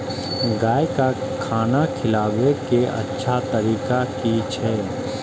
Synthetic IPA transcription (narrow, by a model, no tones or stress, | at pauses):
ɡaːjkakʰaːnakʰɪlaːbekeʔɐ̰tːʃʰat̪əɾiːkakit͡ʃʰeː